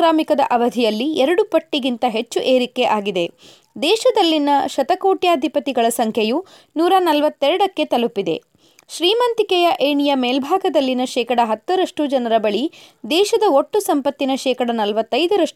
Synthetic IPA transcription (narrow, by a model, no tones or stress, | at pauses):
ɾaːmikɐd̪ɐʔɐʋɐd̪ʱijɐlːiɛɾɐɽupɐʈːiɡint̪ɐɦet͡ʃːuʔe̞ːɾikeʔaːɡid̪e̞ | d̪ɛːʃɐd̪ɐlːinɐʃɐt̪ɐkoːʈjaːd̪ʱipɐt̪iɡɐɭɐsɐŋkʰɐju | nuːɾɐnɐlʋɐt̪ːɛɾɐɽɐkːe̞t̪ɐlupːid̪e̞̰ | ʃɾiːmɐnt̪ikɛjɐʔeːɳijɐmeːlbʱaːɡɐd̪ɐlːinɐʃɛːkɐɽɐɦɐt̪ːɐɾɐʂʈud͡ʒɐnɐɾɐbɐɭid̪ɛːʃɐd̪ɐoʈːusɐmpɐt̪ːinɐʃɛːkɐɽɐnɐlʋɐt̪ːɐjd̪ɐɾɐʂ